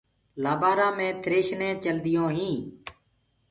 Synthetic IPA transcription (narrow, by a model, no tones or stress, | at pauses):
laːbaːɾãːmẽːt̪ʰɾeːʃnẽːt͡ʃəld̪ɪjõːɦĩː